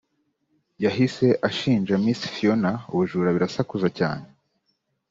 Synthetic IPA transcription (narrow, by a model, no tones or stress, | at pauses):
jaɦise̞ʔaʃiːnʒamisi̥fionauβuʒuːɾaβiɾasakuzaca̰ːne